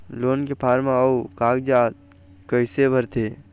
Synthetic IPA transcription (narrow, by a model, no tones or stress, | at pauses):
loːnkepʰaːɾmãɐukaːk̚d͡ʒaː | kəɪsebʱəɾt̪ʰeː